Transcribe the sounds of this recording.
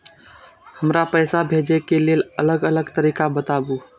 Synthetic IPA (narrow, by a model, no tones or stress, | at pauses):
həmɾapəjsabʱed͡ʒekelelələɡələɡt̪əɾiːkabət̪abu